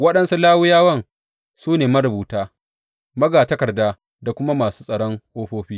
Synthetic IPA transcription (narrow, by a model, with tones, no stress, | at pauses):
wɐ˦ɗɐ˦nsu˦laː˦wʊ˦jaː˦wɐ˦ŋ | suː˦neː˨mɐ˦ɾʊ˨buː˨taː˦ | mɐ˦ɡaː˨tɐ˦kɐ˨rdaː˦ | da˨kʷʊ˦ma˦maː˨su̥ː˦sʼɐ˨ɽɔ˦ŋʔoː˦ɸoː˦ɸiː˦